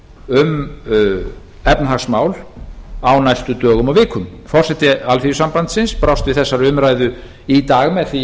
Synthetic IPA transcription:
ʏm | ɛpnaɦaɣsmaːwlawnajst̪ʏt̪œːɣʏmavɪːkʰʏmfɔr̥sɛt̪ːɪalfiʏsampant̪sɪnspɾawst̪vɪðθɛsːaɾʏmɾaːjðʏ | it̪aːɣmɛðθi

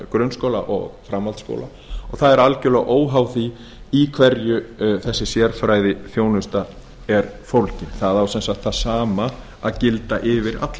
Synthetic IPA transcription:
kɾœnskoːwla̰ʔɔ̰ɣfɾamvalt̪sko̰wla̰ | ɔɣθaðɛɾalcʏlaʔoːwɦawθi | ikʰvɛɾjʏθɛsːɪsjɛɾfɾaːjðɪθjoːwnʏst̪a | ɛɾfowlcɪnθaðawsɛnsaxt̪θaðsaːma | aðcɪlt̪aʔɪvɪɾa̰t̪l

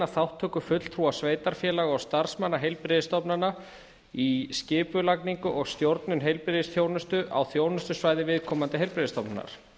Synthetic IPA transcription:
aθawht̪ʰːœːkʏfʏt̪l̥t̪ʰɾuasveːjt̪aɾ̥fjɛːlaɣɔst̪aɾ̥smanːaɦejlpɾɪðɪst̪ɔpnana | iscɪːpʏlakniŋkʏʔɔɣst̪jowɾt̪nʏnɦejlpɾɪðɪsθjoːwnʏst̪ʏʔa̰wθjoːwnʏst̪ʏsvaːjðɪvɪðkʰɔːmant̪ɪɦejlpɾɪðɪst̪ɔpnana̰ɾ̥

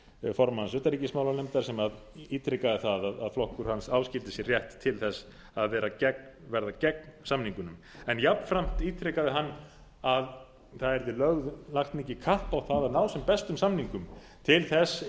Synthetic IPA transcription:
fɔɾmahansœːt̪aɾicɪsmaːwlalɛmt̪aɾ̥sɛmað | iːt̪ɾɪkaðɪθaðaðaðflɔhkʏɾ̥hansawscɪlt̪ɪsjɛrjɛht̪ʰːɪlθɛs | aðvɛːɾacɛk̚nvɛɾðacɛk̚nsamniŋkʏnʏm | ɛnjapn̥fɾam̥t̪iːt̪ɾɪkaðɪɦanː | að | θaðɛɾðɪlœɣðlaxt̪nɛcɪkʰahpawθaðaðnaːwsɛmpɛst̪ʏmsamniŋkʏm | t̪ʰɪlθɛs

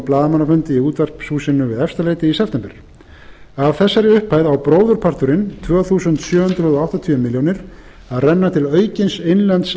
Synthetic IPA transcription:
plaːðmanafʏnt̪ɪiuːt̪vɛr̥psuːsɪnːʏvɪðɛfst̪aleːjt̪ɪisɛft̪ɛmpɪɾ̥ | avθɛsːaɾɪʏhpaːjðawpɾoːwðʏɾ̥pʰar̥t̪ʏɾɪnt̪ʰvœːɣθuːsʏnt̪sjœːhʏnt̪ɾʏðoawht̪at̪ʰyʏmɪljownɪɾ̥ | aðrɛnːat̪ʰɪlœːɥcɪnsejnlɛnt̪s

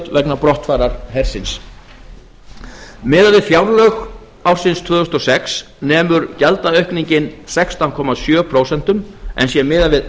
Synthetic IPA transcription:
t̪vɛknapɾɔht̪faːɾaɾ̥hɛɾ̥sɪns | mɪːðavɪðfjawɾlœx | awr̥sɪnst̪ʰvʏːðʏst̪ɔsɛks | nɛːmʏɾcɛlt̪aœɥhkniɲcɪnsɛkst̪ankʰɔːmasjœːpʰɾoːwsɛn̥t̪ʏmʔɛ̰nsjɛmɪːðavɪð

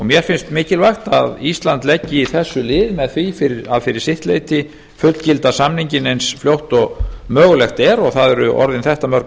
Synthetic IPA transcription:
ɔmjɛɾ̥fɪnst̪mɪːcɪlvajxt̪aðist̪lant̪lɛcːɪiθɛsːʏlɪːðmɛðθifɪɾɪɾaðfɪɾɪɾ̥sɪht̪lḛjt̪ɪ | fʏt̪l̥cɪlt̪asamniɲcɪnensfljowht̪ɔɣmœːɣʏlɛxt̪ɛɾɔɣθaðɛɾʏʔɔ̰ɾðɪnθɛht̪amœɾk

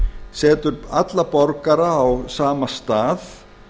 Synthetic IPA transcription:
sɛːt̪ʏɾat̪lapɔɾkaɾaːwsaːmast̪aːθ

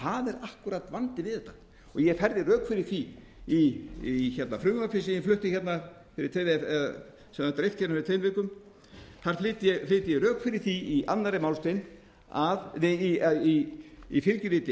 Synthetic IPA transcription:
haðɛɾahkuɾat̪vant̪ɪvɪðɛht̪ːḁ | ɔɣjɛɣfɛɾðɪrœːkfɪɾɪɾ̥θi | içɛt̪nafɾʏːmafɪsɪɪnflʏht̪ɪçɛt̪na | fɪɾɪɾ̥t̪ʰejɛa | sɛmat̪ɾejft̪çɛt̪nafɪɾt̪ʰejmveːkʏm | θaɾ̥flɪːt̪jɛflɪːt̪ɪjɛɣɾœːkfɪɾɪɾ̥θiiʔa̰nːaɾɪmawlst̪ejn | aðɪiaiifɪlcɪɾiːt̪ɪ

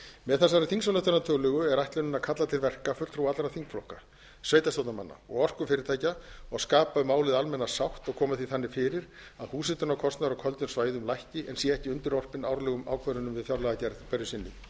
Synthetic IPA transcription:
mɛðθɛs̬ːaɾɪθiŋksɔlɛht̪ʏnat̪ʰœːlʏɣʏɛɾajht̪lʏnʏnːakʰat̪lat̪ʰɪlvɛr̥kafʏ̥l̥t̪fɾuwat̪lɾaθiŋkflɔhka | sveːjt̪astowt̪nama̰nːa̰ɔ̰ɣɔr̥kʏfɪːɾɪɾ̥t̪ʰajcaɔɣskaːpaʏmaːwlɪðalmɛnːasawht̪ɔɣkʰɔːmaθiθanːɪfɪːɾɪɾ̥aðhuːsɪt̪ʏnakʰɔst̪naɾɔkʰœlt̪ʏnsvaːjðʏmlajhcɪʔɛnsjɛɛhcɪʏnt̪ɪɾɔr̥pɪnawɾlɛːɣʏma̰ːwkʰœɾʏnʏmvɪðθjawɾlɛɣacɛɾðpɛɾjʏsɪnːɪ̰

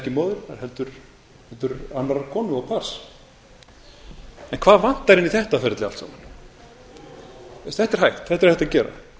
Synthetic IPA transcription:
cɪmɔːðʏɾaɾhɛlt̪ʏɾ | hɛlt̪ʏɾanaɾakʰɔːnʏɔɣpʰaɾ̥s | ɛnkʰv̥aːðvan̥t̪aɾɪniθɛht̪afɛɾɪt̪lɪalt̪sa̰ːman | ɛst̪θɛht̪ɛɾ̥ɦajht̪θɛht̪ɛɾ̥θɛht̪acɛːɾa̰

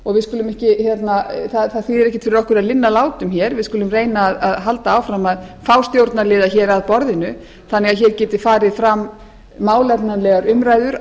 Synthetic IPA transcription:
ɔɣvɪðskʏːlʏmɛhcɪçjɛt̪naθaθaθiðɛɾɛhcɪt̪fɪɾɪɾɔhkʏɾaðlɪnːalaːwt̪ʏmçɛːɾvɪðskʏːlʏmreːjnaːðaðɦalt̪aaːwfɾamaðfawst̪jowɾt̪naɾlɪːðaçɛːɾaðpɔɾðɪnʏ | θanːɛɣaðçɛːɾcɛːt̪ɪ̥faːɾɪðfɾam | maːwlɛpnanlɛɣaɾʏmɾajðʏɾ

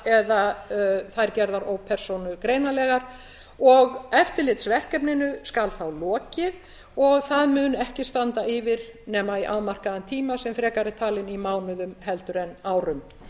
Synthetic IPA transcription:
ɛðaθajɾcɛɾðaɾowpʰɛɾ̥sownʏkɾeːjnalɛːɣaɾ̥ | ɔɣɛft̪ɪɾlɪt̪svɛr̥kɛpnɪnʏskalθawlɔːcɪð | ɔɣθaðmʏnɛhcɪst̪ant̪aɪvɪɾ | nɛːmaiʔaðmar̥kaðant̪ʰiːmasɛmfɾɛːkaɾɪt̪ʰaːlɪnimaːwnʏðʏmhɛlt̪ʏɾɛnaːwɾʏm

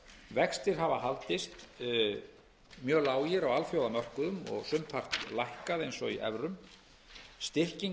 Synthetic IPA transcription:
vɛkst̪ɪɾ̥ɦavaɦalt̪ɪst̪ | mjœːlaːwjɪɾawalfjowðamœr̥kʏðʏmɔ̰ɣsʏmpʰar̥t̪lahkaðejnsɔḭʔɛ̰vɾʏm | st̪ɪr̥ciŋ

